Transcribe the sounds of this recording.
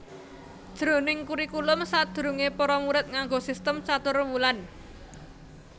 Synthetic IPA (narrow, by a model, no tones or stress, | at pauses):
d̥ʒ̥ɾonɪŋkuɾikulʊmsad̪̥ɾṳŋepɔɾɔmuɾɪt̪̚ŋaŋɡosist̪əmt͡ʃat̪ʊrmulan